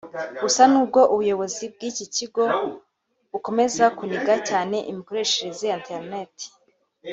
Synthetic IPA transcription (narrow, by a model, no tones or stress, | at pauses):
ɡusanuːb̚ɡo̞ʔuβujo̞βo̞zib̚ɡiːciciɡo̞ | βuko̞me̞zakuniɡacaːne̞ʔimiko̞ɾe̞ːʃeɾezejanteɾneti̥